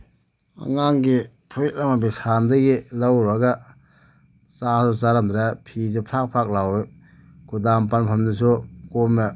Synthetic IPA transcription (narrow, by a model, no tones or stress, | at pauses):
a̰ŋaŋɡi | pʰuɾik̚lamabisandɯɡilawɾbaɡa | sahsusaɾamd̪ɾapʰis̬upʰɾak̚pʰɾak̚lawe | kʰudampanpʰamnɯsukoma